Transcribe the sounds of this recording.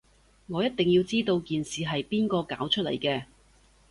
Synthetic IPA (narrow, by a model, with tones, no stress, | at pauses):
ŋɔː˨˧jɐ˥t̚t̪ɪ˨ŋjiː˧wt͡siː˥t̪o˧wkiː˨nsiː˨ɦɐ˨jpiː˥nkɔː˧ka̰ː˨˥wt͡ʃʰɵ˥lɐ̰˨˩jkɛː˧